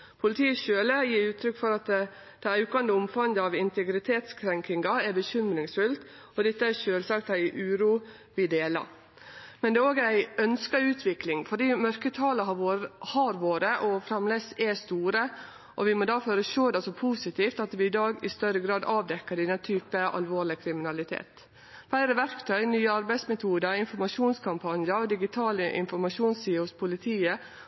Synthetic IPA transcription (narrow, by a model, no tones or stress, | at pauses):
pʰʊlɪt̪ʰiːəʃøːləjiːɾʉːt̪ʰɾʏkːfɔɾɑt̪ | d̪̥ɛʉːkɑnd̪əʊmfɑnd̪əɑʋɪnt̪ɛɡɾɪt̪ʰeːt̪skʰɾɛŋkɪŋɡɑɛɾbəçʏmɾɪŋsfʉlt̪ | ɔd̪ɛt̪ːəæʃøːlsɑk̚t̪æɪʔʉːɾuː | ʋɪd̪eːlɑ̰ | mɛnd̪ɛːoːɡæɪœnskɑʉːt̪ʰʋɪklɪŋfɔɖiːmœɾkət̪ʰɑːləhɑɾʋoːɾəʔɔfɾɑmlesɛst̪uːɾə | ʔɔʋɪmod̪ɑːføːɾəʃoːd̪ɑsɔpʰuːsɪt̪ʰiːft̪ɑt̪ʋɪɪd̪ɑːɡɪst̪œɾəɡɾɑːd̪ɑːʋd̪ɛkːəɖɪd̪ɛnt̪ʰyːpəʔɑ̰lʋoːɭɪkʰɾɪmɪnɑlɪt̪ʰḛːt̪ | fæɪɾəʋæɾkt̪ʰœʏnyːəɑɾbæɪsmɛt̪ʰuːd̪əɾɪnfɔɾmɑʃuːnskʰɑmpʰɑnjəɾɔd̪ɪɡɪt̪ʰɑːləʔɪ̰nfɔɾmɑʂuːnsiːhʊspʰʊlɪt̪ʰiːə